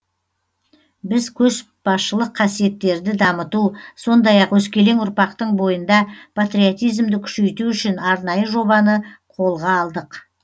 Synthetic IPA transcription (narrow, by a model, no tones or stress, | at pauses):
bɪzkʲʰɵʃ | b̥ɑsʃəlˠəqʰːɑsije̞t̪ːe̞ɾd̪ɪd̪ɑmət̪uso̞nd̪ɑjɑqwɵskʲe̞le̞ŋʊɾpɑqt̪əɴbo̞jənd̪ɑpʰat̪ɾiot̪ijzmd̪ɪkʲʰʏ̥ʃe̞jt̪uʏʃɪnɑɾnɑjəʒo̞βɑnəqʰo̞lˠʁɑːlˠd̪əq